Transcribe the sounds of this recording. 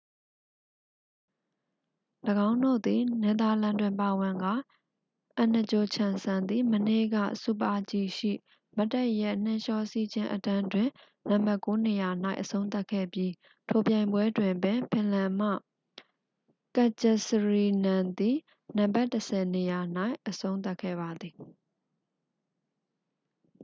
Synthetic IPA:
ləɡã˦ʊ̃ndo̰˦˨d̪i˨nɛ˨d̪a˨lã˨ndwɪ̃˨mpa˨wɪ̃˨ŋɡa˦˨ | ʔə̃˨nə˨t͡ɕo˨t͡ɕʰã˨nsã˨nd̪i˨mənḛ˦˨ɡä̰˦˨sṵ˦˨pa˦t͡ɕi˦˨ʃḭ˦˨ | ma˦tːɛ˦˨ʔjɛ˦˨n̥ɪ̃˦˨ʃɔ˦˨si˦˨d͡ʑɪ̃˦ʔətã˦ndwɪ̃˨ | nã˨mba˦ʔko˦ne˨ja˨n̥a̰˦ɪʔəsʰõ˦ʊ̃nt̪a˦kʰɛ̰˦˨bji˦ | tʰo˨pjã˨ɪ̃mbwɛ˦dwɪ̃˨mpɪ̃˨pʰɪ̃˨lã˨m̥ä̰˦˨ | ka˨t͡ɕɛ˨səɹi˨nã˨nd̪i˨ | nã˨mba˦˨təsʰɛ˨ne˨ja˨n̥a˦ɪʔəsʰõ˦ʊ̃t̪a˦ʔkʰːɛ̰˦˨ba˨d̪ði˨

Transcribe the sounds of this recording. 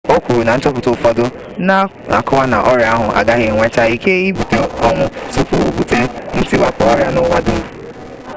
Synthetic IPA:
o˦kʷu˨ɾu˨na˨n̩˦t͡ʃɔ˦pʊ˨tʊ˨fɔ˦dʊ˦ | na˦ | a̰˨kɔ˦wa˦na̰˨ʔɔ˦ɾja˦ɦʊ˨ʔa̰˨ɡa˦ɣɪ˨ŋʷe˦ta˦i˨ke˦i˦bu˨te˨ɔ˦ŋʷʊ˦su˦pu˦u˦bu˨te˦n̩˦ti˦wa˦pɔ˦ɔ˦ɾja˦nʊ˦wa˦dʊ˨

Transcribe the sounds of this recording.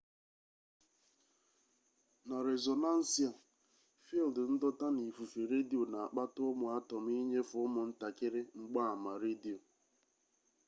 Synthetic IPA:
na˨ɾe˨zo˨na˦n̩˦si˨a˨ | fi˦ldn̩˦dɔ˦ta˦ni˨fu˨fe˨ɾe˦di˨o˨na˨a˨k͡pa˦tʊ˦ʊ˦mʊ˨a˦tɔ˨m̩˦i˦ɲe˦fʊ˨ʊ˦mʊ˨n̩˦ta˨kɪ˦ɾe˦ŋ͡m̩˦ɡ͡ba˦a˨ma˨ɾe˦di˨o˨

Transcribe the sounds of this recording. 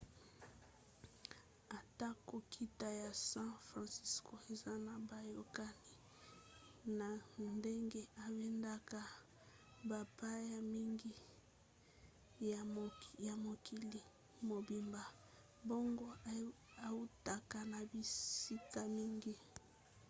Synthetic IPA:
a˨ta˦ko˨kʰi˦ta˨ja˨sã˦fʁã˨si˦sko˨e˨za˦na˨ba˨jo˨ka˦ni˨ | na˨nde˦ŋɡe˦a˨be˦nda˦ka˨ | ba˨pa˦ja˨mi˦ŋɡi˦˨ | ja˨mo˨kʰi˨li˨ | mo˨bi˨mba˨ | bo˦ŋɡo˦ | a˨u˦ta˨ka˨na˨bi˨si˦ka˨mi˦ŋɡi˦

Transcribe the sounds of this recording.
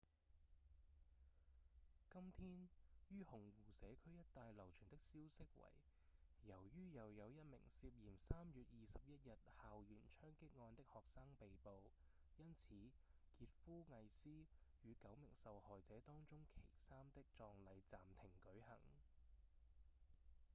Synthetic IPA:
kɐ˥mt̪ʰiː˥njyː˥hʊ˨˩ŋwuː˨˩sɛː˨˥kʰɵ˥ɥjɐ˥t̚t̪aː˨˧jlɐ˨˩wt͡ʃʰyː˨˩nt̪ɪ˥k̚siː˥wsɪ˥k̚wɐ̰˨˩j | jɐ˨˩wjyː˥jɐ˨˧wjɐ˨˧wjɐ˥t̚mɪ̰˨˩ŋsiː˧p̚jiː˨˩msaː˥mjyː˨t̚jiː˨sɐ˨p̚jɐ˥t̚jɐ˨t̚haː˨wjyː˨˩nt͡ʃʰœː˥ŋkɪ˥k̚ŋɔː˧nt̪ɪ˥k̚hɔː˨k̚saː˥ŋpe˨jpo˨w | jɐ˥nt͡sʰiː˨˥ | kiː˧t̚fuː˥ŋɐ˨˧jsiː˥jyː˨˧kɐ˨˥wmɪ˨˩ŋsɐ˨whɔː˨jt͡sɛː˨˥t̪ɔː˥ŋt͡sʊ˥ŋkʰe˨˩jsaː˥mt̪ɪ˥k̚t͡sɔː˧ŋlɐ˨˧jt͡saː˨mt̪ʰɪ˨˩ŋkɵ˨˥ɥhɐ̰˨˩ŋ

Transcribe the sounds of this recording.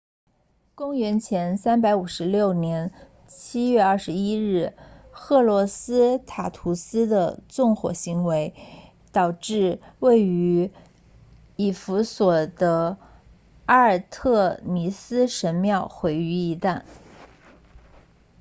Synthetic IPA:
kʊ˥ŋɥɛ˧˥nt͡ɕʰjɛ˧˥nsa˥npa˧˥ɪu˨˩ʂɻ̩˧˥ljo˥˩ʊnjɛ˧˥n | t͡ɕʰi˥ɥɛ˥˧ɐ˞˥˩ʂɻ̩˧˥i˥ɻɻ̩˥˩xɤ˥˩lwɔ˧˥sɹ̩˥t̪ʰa˨˩t̪ʰu˧˥sɹ̩˥d̪ə˨t͡sʊ˥˩ŋxwɔ̰˨˩ɕi˧˥ŋwe˧˥ɪ | t̪ɑ˨˩ʊʈ͡ʂɻ̩˥˧we˥˩ɪy˧˥ | i˨˩fu˧˥swɔ˨˩d̪̥ə˦ | a˥ə˨˧˩t̪ʰɤ˥˩mi˧˥sɹ̩˥ʂə˧˥nmjɑ˥˩ʊxwe˧˥ɪy˧˥i˧˥t̪a˥˩n

